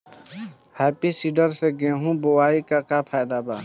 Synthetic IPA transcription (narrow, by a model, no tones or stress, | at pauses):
hɛːpisiɖəɾseɡẽːɦũbowaːikakapʰaːjd̪aːbaː